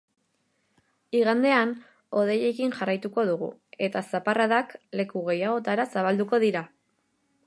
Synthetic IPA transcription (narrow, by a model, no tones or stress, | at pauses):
iɣand̪e̞an | o̞ð̞e̞je̞kinʝarajt̪uko̞ðuɣ̞ṵe̞t̪asaparaðakle̞kuɣe̞jaɣ̞o̞t̪aɾasaβ̞ald̪uko̞ðiɾa